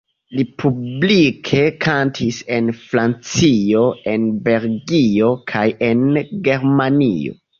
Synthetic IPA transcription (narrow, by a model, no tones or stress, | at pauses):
lipʰublikʰe̞kʰantʰise̞nfɾant͡sio̞e̞nbe̞lɡio̞kʰaje̞nɡe̞ɾmanḭo̞̰